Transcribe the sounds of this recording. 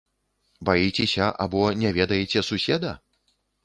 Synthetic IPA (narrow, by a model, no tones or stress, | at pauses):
bajit͡sʲɛsʲɐʔa̰bɔnʲɛvʲɛd̪ɐjet͡sʲɛsusʲɛd̪ɐ